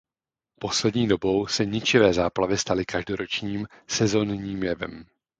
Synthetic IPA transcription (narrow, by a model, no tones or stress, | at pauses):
po̞slɛdɲiːdo̞bo̞wsɛɲɪt͡ʃɪvɛːzaːplavɪst̪alɪkaʒdo̞ɾo̞t͡ʃɲiːm | sɛzo̞nɲiːmjɛvɛ̰m